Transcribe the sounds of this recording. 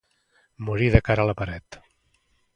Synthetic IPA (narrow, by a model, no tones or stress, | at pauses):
muɾiðəkaɾələpəɾɛt̪